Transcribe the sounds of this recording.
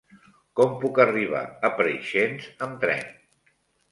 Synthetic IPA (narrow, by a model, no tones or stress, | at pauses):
kɔmpukəriβ̞a̰əpɾəʃenzəmt̪ɾɛ̰n